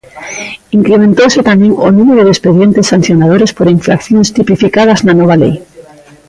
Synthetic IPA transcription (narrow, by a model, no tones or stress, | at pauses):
iŋkɾemẽnt̪owset̪amẽŋonũmeɾoðespeðjent̪esːan̟θjonað̞oɾespoɾiɱfɾa̰kθjonst̪ipifikað̞ɐznanɔβ̞alḛj